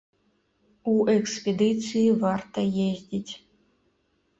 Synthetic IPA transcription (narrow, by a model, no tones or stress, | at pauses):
uʔɛkspʲed̪ɨt͡sʰɨjivart̪ʰɐjezʲdʲitʲ